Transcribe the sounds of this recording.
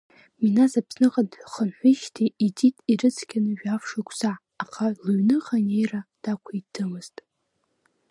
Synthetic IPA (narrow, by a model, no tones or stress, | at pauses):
minazapʰsnɨqʼadʼχənħʷiʃtʰiitʼitʼirɨt͡sʰkʲanɨʒᶣafʂakʷʰsaː | qʰaluɥnɨχanejrad̥akʷʰaidʰɨmɨztʼ